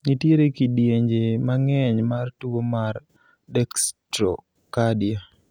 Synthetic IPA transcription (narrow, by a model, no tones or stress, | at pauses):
nitjeɾekidjeɲd͡ʒemaŋɛɲmartuwomar | dɛkstɾɔ̰ | kadja